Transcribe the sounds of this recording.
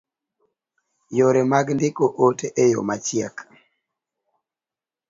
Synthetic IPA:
joɾemaɡndɪkoʔoteʔejo̰mat͡ʃɪɛk

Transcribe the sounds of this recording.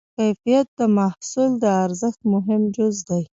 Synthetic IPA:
kajfijat̪̚d̪əmahsuld̪əaɾzəxt̪mʊɦɪmd͡ʒʊzd̪aj

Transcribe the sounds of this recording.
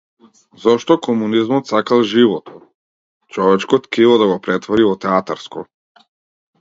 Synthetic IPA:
zɔʃt̪ɔkɔmunizmɔt̪sakalˠʒivɔt̪ɔ | t͡ʃɔvɛt͡ʃkɔt̪kɛilˠɔd̪aɡɔpɾɛt̪vɔɾivɔt̪ɛat̪aɾskɔ

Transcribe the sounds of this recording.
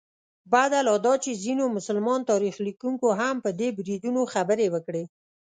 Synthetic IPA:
bad̪alɑd̪ɑt͡ʃezinomʊsəlmɑnt̪ɑɾixlikuŋkoɦampəd̪ebɾid̪unoxabəɾewəkɽe

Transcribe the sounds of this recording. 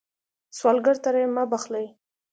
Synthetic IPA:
swɑlɡəɾt̪aɾajmabaχlaj

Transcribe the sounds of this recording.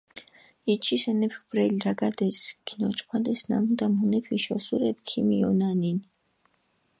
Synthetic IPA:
it͡ʃʰisɛnɛpʰkbɾɛlɾaɡad̪ɛsɡ̥inɔt͡ʃʼqʰwad̪ɛsna̰mud̪amunɛpʰiʃɔsuɾɛbkʰimiɔnanin

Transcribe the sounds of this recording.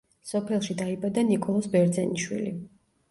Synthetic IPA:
sɔpʰɛlˠʃid̪aibad̪anikʼɔlˠɔsbɛɾd̪zɛniʃwḭlḭ

